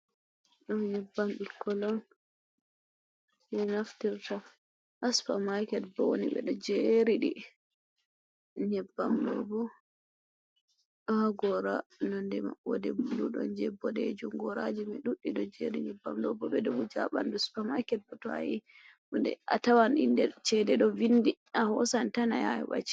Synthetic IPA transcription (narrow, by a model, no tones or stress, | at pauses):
ɗɔnɲɛbːamɗikːɔlɔn | mɛnaftiɾta | ʔːspamajkɛtbɔwonḭɓɛ̰ɗɔd͡ʒeɾiɗi | ɲɛbːamlɔ̰bɔ | ɗɔhaɡɔɾanɔndɛma̰ɔdɛbuluɗɔ̰nd͡ʒɛbːɔɗed͡ʒumɡɔɾad͡ʒimɛɗuɗiɗɔd͡ʒeɾiɲɛbːa̰mlɔbɔɓɛdɔmud͡ʒa̰ɓa̰nduspamajkɛt̚bɔtɔa̰ji | ndɛ̰ʔatawanʔindɛt͡ʃɛdɛɗɔvinːdi | ahɔsantana̰jajwa̰t͡ʃi̥